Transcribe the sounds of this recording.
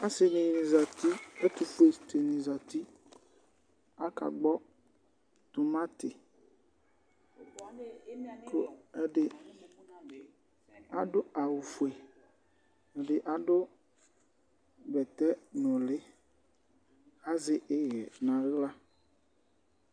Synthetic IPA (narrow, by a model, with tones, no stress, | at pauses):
a˦sɪ˨nĩ˨nĩ˨za˨t̪i˦ɛ˦t̪u˨ɸu˦e˨st̪e˨nĩ˨za˨t̪i˦ | a˦ka̰˨ɡ͡bɔ˦ | t̪u˨mã˦t̪ɪ˨ | ko˦ɛ˦ɖɪ˦˨ | a˨dʊ˦a˨wu˨fu˨e˨ | ɛ˨ɖɪ˨ʔa˨ɖʊ˦ | bɛ˨t̪ɛ˦nʊ̃˨lɪ˦ | a˦zɪ˦ʔɪ˦jɛ˨nã˨ɣla˦